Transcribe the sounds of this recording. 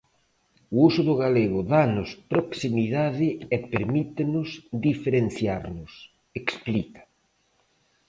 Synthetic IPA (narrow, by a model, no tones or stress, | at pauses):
ʊusʊðʊɣaleɣʊðanʊspɾoksimiðaðɪɛpeɾmit̪enʊzd̪ifeɾenθjaɾnʊs | eksplikḁ